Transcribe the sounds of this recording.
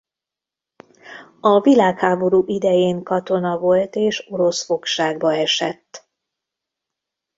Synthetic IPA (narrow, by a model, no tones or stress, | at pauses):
ɒvilaːkhaːbo̞ɾuːʔid̪ɛjeːŋkɒt̪o̞nɒvo̞lt̪eːʃo̞ɾo̞sfo̞kʃaːɡbɒɛʃɛt̪ː